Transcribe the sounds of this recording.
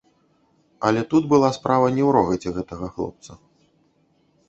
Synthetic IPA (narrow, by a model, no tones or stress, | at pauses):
ɐlʲɛt̪ud̪bɨlˠaspɾavɐnʲɛwɾɔɣɐt͡sʲɛɣɛt̪ɐɣɐxlˠɔ̰p̚t̪sɐ